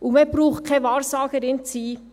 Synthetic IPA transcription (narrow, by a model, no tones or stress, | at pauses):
umebɾuːχkʰɛʋɑːɾsɑːɡ̥əɾɪnt͡siː